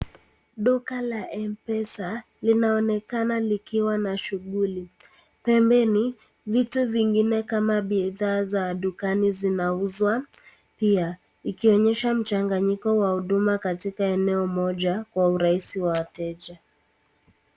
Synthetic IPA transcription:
ɗukalaʔɛmpɛsa | linaɔnɛkanalikiwanaʃuɠuli | pɛmbɛni | vituviŋɡinɛkamaɓiðaːzaɗukanizinauzwa | pia | ikiɔɲɛʃam̩t͡ʃaŋɡaɲikɔwahuɗumakatikaɛnɛɔmɔʄakwauɾaisiwawatɛʄa

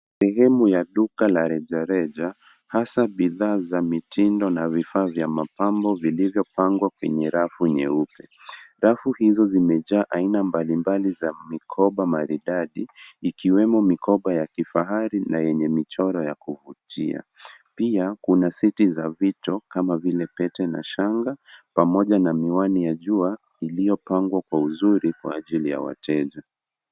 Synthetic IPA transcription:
sɛɦɛmujaɗukalaɾɛʄaɾɛʄa | hasaɓiðaːzamitindɔnavifaːvjamapambɔvilivjɔpaŋɡwakwɛɲɛɾafuɲɛupɛɾafuhizɔzimɛʄaːʔainambalimbalizamikʰɔɓamaɾiɗaɗiːkiwɛmɔmikɔɓajakifaɦaɾinajɛɲɛmit͡ʃɔɾɔjakuvutia̰piakunasitizavitɔkamavilɛpɛtɛna̰ʃaŋɡapamɔʄanamiwanijaʄua | ilijɔpaŋɡwakwauzuɾikwa̰ːʄilija̰wa̰tʰɛʄa

